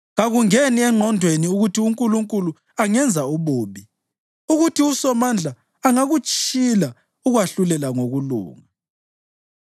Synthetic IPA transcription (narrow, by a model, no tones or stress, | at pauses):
ɣaɣuŋeniɛŋ͡ǃʱɔndʱweniuɣutʰiuŋkʼuluŋkʼulu | aŋɛnd͡zʱauβoːβi | uɣutʰiusɔmand͡ɮʱaː | ŋaɣut͡ʃʼila | uɣwaɬulɛlaŋoɣulṵːŋa